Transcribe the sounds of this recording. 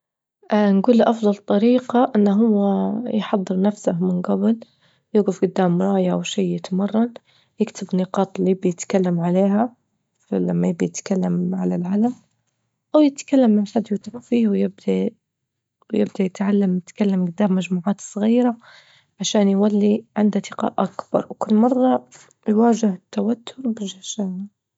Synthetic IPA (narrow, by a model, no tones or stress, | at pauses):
ʔanɡuːlːʔɑfd̪ˤɑlt̪ˤɑɾiːqaʔɪnːaɦʊwːajħɑd̪ˤːɨɾnafsahmɪnɡabl | jɪɡʊfɡʊd̪ːaːmɾˤɑːjawʃiːjɪt̪mɑrˤːɑn | jɪkt̪ɪbnɪqɑːt̪ˤliɪbajɪt̪kalːamʕaleːɦa | flamːajɪb̚d̪ajɪt̪kalːamʕa̰lalʕalam | ʔawjɪt̪kalːamːanħad̪wɪt̪aqfiːhwjɪb̚d̪̥a | wjɪ̰b̚d̪ajɪt̪ʕalːamjɪt̪kalːamɡʊd̪ːaːmːaʒmuːʕaːt̪sˤɣiːɾa | ʕaʃaːnjwalːiʕɪnd̪at̪ɪqa̰ʔʔakb̥ɑ̰ɾˤwkʊlːmɑrˤːɑ | jwaːʒɪhɪt̪ːawat̪ʰːʊɾˤbɪʒaʃaːna